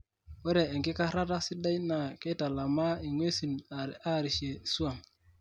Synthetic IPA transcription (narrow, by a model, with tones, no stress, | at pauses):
wɛ˦ɾeː˨ŋkɪ˦ka˦ɾa˦ta˦sɪ˦da˦jna˨kɛ˦ta˨la˨ma˦i˨ŋwe˦si˨na˦˨ɾi˨se˨su˦a˦˨m